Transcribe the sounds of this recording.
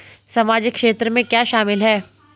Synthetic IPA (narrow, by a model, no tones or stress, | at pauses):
sɐmaːd͡ʒɪkːʃeːt̪ɾəmẽkjaːʃaːmɪlɦɛː